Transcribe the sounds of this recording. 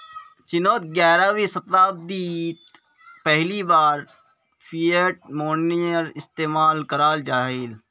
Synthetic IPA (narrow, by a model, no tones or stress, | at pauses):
t͡ʃɪnoːt̪̚ɡɛːɾaːwisɐt̪aːb̚d̪iːt̪ | pɛɦlibaːɾ | pʰiːəʈ̚moːnijəɾɪst̪eːmaːlkəɾaːld͡ʒaːɦɪl